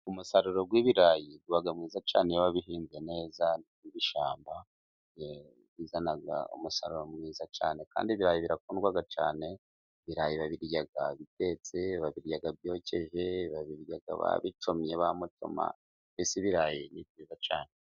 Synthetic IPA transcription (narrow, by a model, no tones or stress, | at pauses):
umusaɾuɾo̞ɡwiβiɾajiɡɡuaɡamŋiːzat͡ʃaːnejaβaβiɦiːnzene̞ːza | iβiʃaːmba | je | βizanaɡa̰ṵmusa̰ɾuɾo̞mŋiːzat͡ʃa̰ːne̞ka̰ːndiβiɾaːjiβiɾakuːnɡwaɡat͡ʃaːne̞ | βiɾaːjiβaβiɾjaɡaβite̞t͡seβaβiɾɟaɡaβjo̞ce̞ʒe̞βaβiɾjaɡa̰βa̰βit͡ʃomɲeβamutʰo̰ma̰ | βisiβiɾajinibjiːzat͡ʃaːne